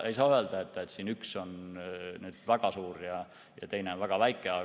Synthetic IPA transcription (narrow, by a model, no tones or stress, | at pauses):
e̞jsɑːøeld̪ɑet̪ːˑet̪siːnyksonnyːd̪̥væɡ̥ɑsuːɾjɑ | jɑt̪e̞jneonvæɡ̥ɑvæjkːˑeɑ